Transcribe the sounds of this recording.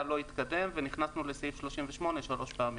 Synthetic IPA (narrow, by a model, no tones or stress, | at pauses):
lo̞it̪kad̪e̞mveniχnasnuleseifʃlo̞ʃimveʃmo̞ne̞ʃalo̞ʃpaaːm